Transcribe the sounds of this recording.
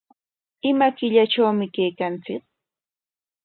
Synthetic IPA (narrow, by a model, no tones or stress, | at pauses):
ɪmakɪʎat͡ʃawmɪkejkant͡sɪk̚